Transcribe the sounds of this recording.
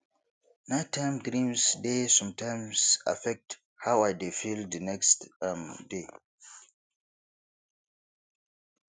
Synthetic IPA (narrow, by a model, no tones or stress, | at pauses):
natʰːãmɡɾĩmsdesɔ̃mtʰãɪmsa̰fɛk̚t | hawajdefildənɛkstmde